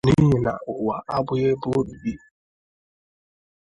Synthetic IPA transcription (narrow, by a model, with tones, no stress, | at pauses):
ni˦ɦi˨na̰˨ʔʊ˨a˨ʔa˦bʊ˨je˦bʊ˦o˦ɗu˨bi˦